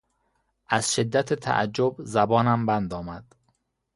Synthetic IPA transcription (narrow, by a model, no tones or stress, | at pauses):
ʔæz̥ʃed̪ːæt̪ʰet̪ʰæ̰ʔæ̰d͡ʒːobzæbɒːnæmbænd̪ɒːmæd̪̥